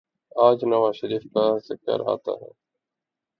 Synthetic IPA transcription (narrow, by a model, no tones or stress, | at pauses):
aːd͡ʒnəʋaːʃəɾiːfkaːzɪkə̰ɾɦa̰ːt̪a̰ːɦɛː